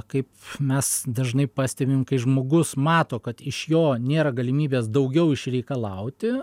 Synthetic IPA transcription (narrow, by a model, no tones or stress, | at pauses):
kɐɪpmʲɛsd̪ɐʒnɐɪpɑːsʲt̪ʲɛbʲɪmkɐɪʒmoːɡʊsmɑːt̪oːkɐt̪ɪʃjoːnʲeːɾɐɡɐlʲɪmʲiːbʲeːsd̪ɐʊɡʲɛʊɪʃɾʲɛɪkɐlˠɐʊt̪ʲɪ